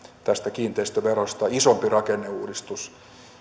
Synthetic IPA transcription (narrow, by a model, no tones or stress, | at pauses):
t̪æst̪ækiːnt̪eist̪æʋerost̪ɑisompirɑkenːeuːdist̪us